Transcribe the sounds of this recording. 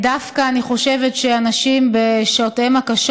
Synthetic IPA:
dafkaːniχo̞ʃe̞vetʃeanaʃimbeʃaotemakaʃ

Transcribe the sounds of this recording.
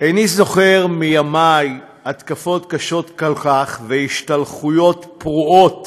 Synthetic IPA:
ʔenizo̞χe̞ʁmijamaj | at̪kafo̞tkaʃo̞t̪kalkaχvehiʃtalχujo̞tpʁuo̞t

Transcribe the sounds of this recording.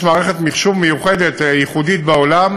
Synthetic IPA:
maːʁeχet̪miχʃumːejuχed̪et̪jiχud̪it̪̚beolam

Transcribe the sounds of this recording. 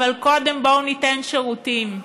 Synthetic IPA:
alko̞d̪embounitenʃeʁutim

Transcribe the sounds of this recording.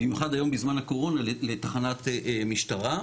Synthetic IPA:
bimjuχad̪ajo̞mbizmanhako̞ʁo̞nalelet̪aχanat̪miʃtaʁa

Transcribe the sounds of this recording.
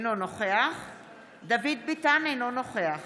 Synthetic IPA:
nonoχeaχ | d̪avid̪̚bitanejnonoχeaχ

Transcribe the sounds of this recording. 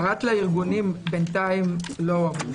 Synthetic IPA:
ʁatlaiʁɡunimbent̪aimloam

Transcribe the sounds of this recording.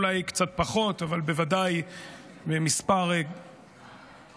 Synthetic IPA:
lajkt͡sat̪̚paχo̞t̪avalbevadaj | bemispaʁe

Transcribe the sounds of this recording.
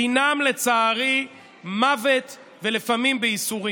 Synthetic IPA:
inamle̞t͡saːʁi | mavet̪ | velefamimbeisuʁi

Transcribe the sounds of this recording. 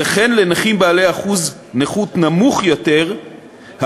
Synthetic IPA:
eχenlenaχimbaːleaχuz | neχut̪namuχjot̪e̞ʁ | ha

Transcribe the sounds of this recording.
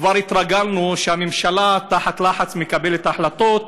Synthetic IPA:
vaɾit̪ʁaɡalnuʃeamemʃalat̪aħat̪laħat͡smekabe̞let̪aħlat̪o̞t̪̚

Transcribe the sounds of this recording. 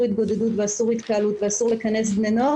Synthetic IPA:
ʁit̪̚ɡo̞d̪edut̪veasuʁit̪kaalut̪veasuʁlekane̞sbnenoa

